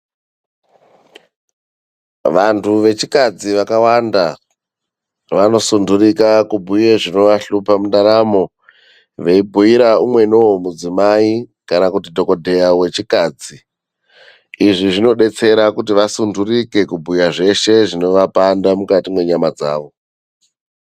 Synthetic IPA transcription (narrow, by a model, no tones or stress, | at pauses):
ʋantʰuʋe̞t͡ʃikad͡ziʋakawanda | ʋano̞sundurikakubʱujeʐino̞ʋaɬupamundaɾamo̞ | ʋe̞ibʱuiɾaumwe̞nowomud͡zimaikanakutidʱo̞ko̞dʱe̞jawe̞t͡ʃikaːd͡zi | iʐiʐino̞ɗe̞t͡se̞ɾakutiʋasundurike̞kubʱujaʐe̞ʃe̞ʐino̞ʋapandamukatimwe̞ɲamad͡za̰ːʋo̞